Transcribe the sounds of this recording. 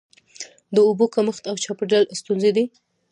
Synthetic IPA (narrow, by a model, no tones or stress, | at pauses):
d̪əubokaməxt̪awt͡ʃɑpeɖalst̪unzed̪i